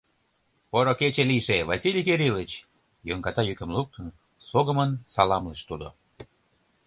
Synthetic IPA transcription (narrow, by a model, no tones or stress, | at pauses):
poɾoket͡ɕeliʃevɑsilʲikeɾilət͡ɕ | joŋɡɑt̪ɑjykə̆mluk̚t̪ən | soɣəmənsɑlɑmləʃt̪ud̪o̰